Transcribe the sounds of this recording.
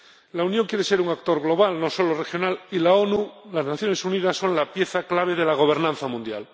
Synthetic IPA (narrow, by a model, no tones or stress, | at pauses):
launjõŋkjeɾeseɾuŋakt̪o̞ɾɣlo̞β̞alno̞so̞lorexjo̞nalilaonulaznaθjonesuniðasːo̞nlapjeθaklaβ̞e̞ðelaɣ̞o̞β̞e̞ɾnãnθamũnd̪ja̰l